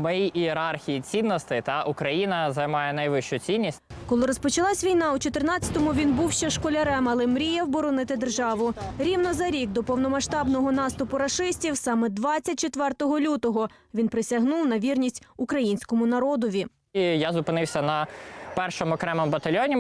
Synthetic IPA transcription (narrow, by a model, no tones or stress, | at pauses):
mɔjiʔieɾɑrxʲijit͡sʲinːɔst̪ɪt̪ɑʔʊkɾɐjinɐzɐjmɑjɛnɐjʋɪʃt͡ʃʊt͡sʲinʲːisʲtʲ | kɔlˠɪɾɔspɔt͡ʃɐlˠɑsʲʋʲijnɑut͡ʃɔt̪ɪrnɑt͡sʲɐt̪ɔmʊʋʲinbuwʃt͡ʃɛʃkɔlʲɐɾɛmɐlˠɛmɾʲijɛwbɔɾɔnɪt̪ɪd̪erʒɑʋʊɾʲiwnɔzɐɾʲiɡd̪ɔpɔwnɔmɐʃt̪ɑbnɔɦɔnɑst̪ʊpʊɾɐʃɪsʲtʲiwsɑmɛd̪ʋɑt͡st͡sʲːɐt̚ʲt͡ʃet̪ʋɛrt̪ɔɦɔlʲut̪ɔɦɔ | ʋʲinpɾɪsʲɐɦnuwnɐʋʲirnʲisʲtʲʊkɾɐjinʲsʲkɔmʊnɐɾɔd̪ɔʋʲi | ijazʊpɪnɪwsʲɐnɐpɛrʃɔmɔkɾɛmɪmbɐt̪ɐlʲjɔnʲi